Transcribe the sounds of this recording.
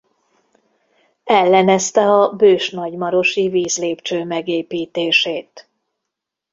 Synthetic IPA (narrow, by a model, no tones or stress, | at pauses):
ɛlːɛnɛst̪ɛɒbøːʃnɒɟmɒɾo̞ʃiviːzleːpt͡ʃøːmɛɡeːpiːt̪eːʃeːt̪